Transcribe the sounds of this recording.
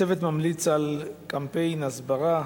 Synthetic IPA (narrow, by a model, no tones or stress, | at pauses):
evet̪mamlit͡salkampejnazbaʁa